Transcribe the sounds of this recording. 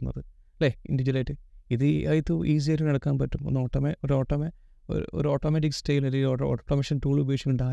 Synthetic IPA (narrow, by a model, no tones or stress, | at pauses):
nːɐ̰ðɨ | leḭndid͡ʑinɐjʈːɨiðɨɐjit̪ːuʔiːs̬iɐɾunɐɽɐkːaːnpɐtːumonːoːʈːɐmeʔoɾoːʈːɐme | o̰ɾ̰o̰ɾuoːʈːoːmeʈ̬ikstejloɾioo̰ːʈːomɐʂɐntuːɭubekʂikʲːuɳɖaː